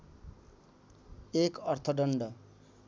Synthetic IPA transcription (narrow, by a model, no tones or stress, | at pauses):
ekʌrt̪ʰʌɖʌɳɖʌ